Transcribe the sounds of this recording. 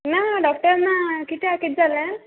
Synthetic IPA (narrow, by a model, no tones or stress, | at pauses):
naɖɔk̚ʈəɾnãkit̪ʰiakit̪̚d͡zalə̃